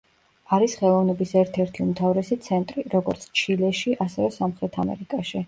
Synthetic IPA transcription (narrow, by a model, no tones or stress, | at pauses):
aɾisχɛlˠɔvnɛbisɛɾt̪ʰɛɾt̪ʰiumt̪ʰavɾɛsit̪sʰɛnt̪ʼɾiɾɔɡɔɾt̪sʰt͡ʃʰilɛʃiʔasɛvɛsamχɾɛt̪ʰamɛ̰ɾikʼaʃi